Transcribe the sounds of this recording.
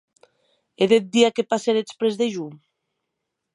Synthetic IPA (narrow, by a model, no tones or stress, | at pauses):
eðet̪̚d̪iakepaseɾespɾezðeʒum